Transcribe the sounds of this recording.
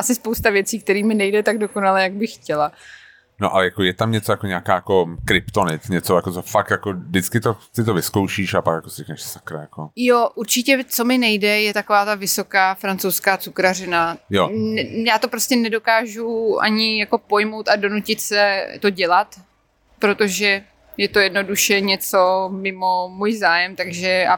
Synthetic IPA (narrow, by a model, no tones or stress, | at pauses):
ʔasɪspowst̪avjɛt͡siːkt̪ɛɾiːmɪnɛjdɛt̪aɡdo̞konalɛːjaɡbɪxːcɛla | noʔalɛjakojɛt̪amɲɛt͡sojakoɲɛakaːjako̞kɾɪpt̪onɪt͡sɲɛt͡sojakot͡sofakt̪jakodɪt͡skɪt̪osɪt̪ovɪskowʃiːʃapakjakosɪɾiɛknɛʃsakɾajakojoʔuɾt͡ʃɪcɛt͡so̞mɪnɛjdɛjɛt̪ako̞vaːt̪avɪso̞kaːfɾant͡sowskaːt͡sukɾarɪnajojaːt̪o̞pɾo̞scɛnɛdo̞kaːʒuʔa̰ɲɪjako̞po̞jmowt̪ado̞nucɪt̪sɛt̪o̞ɟɛlat̪ | pɾo̞t̪o̞ʒɛ | jɛt̪o̞jɛdno̞duʃɛɲɛt͡so̞mɪmo̞muːjzaːjɛmt̪aɡʒɛʔa